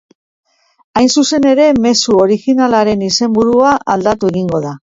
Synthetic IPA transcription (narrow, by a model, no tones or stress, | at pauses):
ajnsuse̞ne̞ɾe̞me̞suo̞ɾixinalaɾe̞nise̞mbuɾuaʔald̪at̪ue̞ɣiŋɡo̞ða